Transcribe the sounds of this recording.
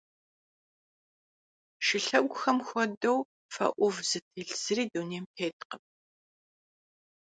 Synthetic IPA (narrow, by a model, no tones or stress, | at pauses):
ʃɪɬɐɡʷʊxɐmxʷɔdɐw | fɐ̰ʔʷʊvz̥ɨtʰiːɬz̥ɨɾiːduːneːmpʰeːt̚ʰqəm